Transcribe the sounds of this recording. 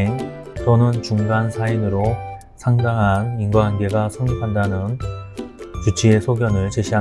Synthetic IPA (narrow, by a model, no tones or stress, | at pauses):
n | t͡ɕʌnɯnt͡ɕuŋɡansʰainɯɾo | sʰaŋdaŋɦaninɡwaɦanɡe̞ɡasʰɯŋkʰandanɯn | t͡ɕut͡ɕʰie̞sʰoɡjʌnɯɭt͡ɕe̞ɕʰia